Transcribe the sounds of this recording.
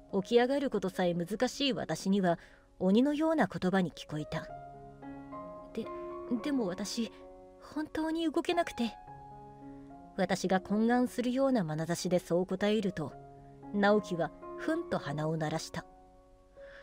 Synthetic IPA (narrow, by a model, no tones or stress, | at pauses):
o̞kʲiaɡaɾɯ̟ko̞t̪o̞saemɯzɨkaɕiːβa̰t̪aɕiɲ̟iβa | oɲ̟ino̞jo̞ːnako̞t̪o̞baɲ̟ikʲi̥ko̞it̪a | d̪̥e̞d̪e̞mo̞βat̪aɕi | hõ̞nt̪o̞ːɲ̟iɯ̟ɡo̞ke̞nakɯ̟̥t̪e̞ | βat̪aɕiɡakʰõ̞ŋɡãɰ̃sɨɾɯ̟jo̞ːnamanazaɕid̪e̞so̞ːko̞t̪aeɾɯ̟t̪o̞ | naokʲiβaɸɯ̟̃nt̪o̞hanaonaɾaɕi̥t̪a